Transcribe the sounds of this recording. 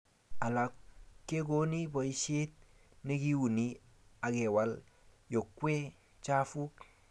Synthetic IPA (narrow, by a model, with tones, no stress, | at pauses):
a˨la˨kːe˦ɡo˦ni˦bo˨i˦ʃe˦t̪̚ | ne˦ɡi˦wu˨ni | a˨ɡe˨wa˦l | jo˨kwe˦ | t͡ʃa˦fu˦k